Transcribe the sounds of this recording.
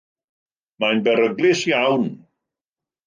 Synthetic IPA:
majnbɛɾəɡlɪsjawn

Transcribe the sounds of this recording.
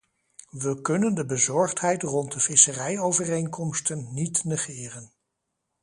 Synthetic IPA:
ʋəkɵnəndəbəzɔɹχtɦɛjtrɔntdəv̥ɪsərɛjowvərejŋkɔmstənːitnəχɪːrən

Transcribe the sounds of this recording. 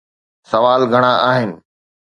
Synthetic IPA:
sɐʋaːlɡʱɐɽ̃aʔaːɦɪnɪ̆

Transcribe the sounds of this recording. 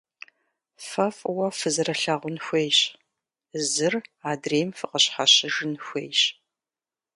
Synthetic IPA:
fɐfʼwɐfɨzɨrɐɬaːʁʷʊnxʷejɕʼ | zɨraːdreːmfɨqəɕħaɕɪʒɨnxʷeːjɕʼ

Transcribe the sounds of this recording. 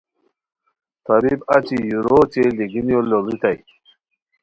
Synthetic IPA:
t̪ɐbibat͡ɕijuɾot͡ɕeliɡinjolːolit̪ʰaj

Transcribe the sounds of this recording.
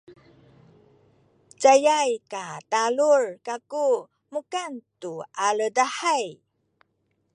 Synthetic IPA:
t͡sajajkatalurkaku | mukantuaɭədaħaj

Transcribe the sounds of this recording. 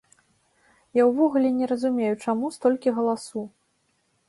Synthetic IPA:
jawvɔɣulʲɛnʲɛɾɐzumʲejut͡ʂamust̪ɔlʲkʲiɣɐlˠasu

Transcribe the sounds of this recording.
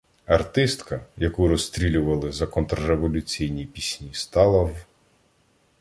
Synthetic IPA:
ɐrt̪ɪst̪kɐjɐkuɾɔst̪ɾʲilʲʊʋɐlˠɪzɐkɔnt̪ɾɔɾeʋɔlʲʊt͡sʲijnʲijpʲisʲnʲist̪ɑlˠɐw

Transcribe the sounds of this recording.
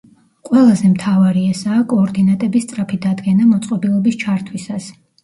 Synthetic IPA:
qʼwɛlˠazɛmt̪ʰavaɾiɛsaːkʼɔːɾd̪inat̪ʼɛbist̪sʼɾapʰid̪ad̪ɡɛnamɔt̪sʼqʼɔbilˠɔbist͡ʃʰaɾt̪ʰwisas

